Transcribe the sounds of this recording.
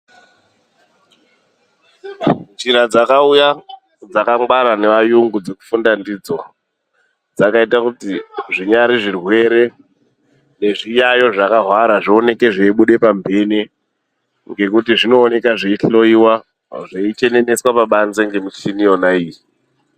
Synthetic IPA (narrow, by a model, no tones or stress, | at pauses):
t͡ʃiɾad͡zakauja | d͡zakaŋɡwaɾane̞ʋajuŋɡud͡ze̞ku̥fundandid͡zo̞ | d͡zakaitakutiʐiɲaɾiʐirwe̞ɾe̞ | ne̞ʐijajo̞ʐakaɦwaɾaʐio̞ne̞ke̞ʐeiɓuɗe̞pambʱe̞ni | ŋɡe̞kutiʐino̞ːne̞kaʐeiɬo̞iwa | ʐeit͡ʃe̞ne̞ne̞swapaɓanzeŋɡe̞muinio̞naiːji